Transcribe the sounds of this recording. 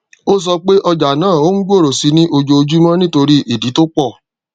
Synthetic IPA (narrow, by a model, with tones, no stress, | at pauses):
o˦s̬ɔ˧k͡pe˦ʔɔ˧d͡ʒa˨nãː˦˨o˦ŋ̩˦ɡ͡bo˦˨ɾo˨si˧˦nĩ˦ʔo˧d͡ʒo˧d͡ʒu˦mɔ̃˦nĩ˦to˧ɾi˦ʔi˦˨di˨˦to˦k͡pɔ˦˨